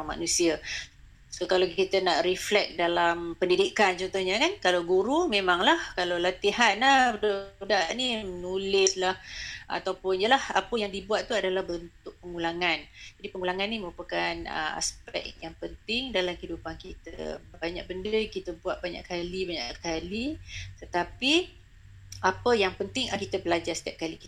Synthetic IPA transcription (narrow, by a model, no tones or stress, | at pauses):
ama̰nũsia | sokalait̪ənaʔriflɛk̚dalampəndidikant͡ʃɔnt̪ohɲakankalawɡuɾumẽmaŋlahkalawlat̪iɦanədudaʔnimənulɪslahʔa̰t̪awpʊnjəlahapəjaŋdibuat̪̚t̪uadalahbənt̪ʊʔ̚pəŋulaŋand͡ʒadipəŋulaŋanːimə̃ɾupakanə̰ma̰spɛ̰kjaŋpənt̪ɪŋdalamhidupankit̪ə̰baɲa̰k̚bəndəkit̪əbuat̪̚baɲa̰ʔkalibaɲa̰ʔkalit̪ət̪api | apəjaŋpənt̪ɪŋkit̪əbəlad͡ʒasə̥t̪iap̚kaliki̥t̪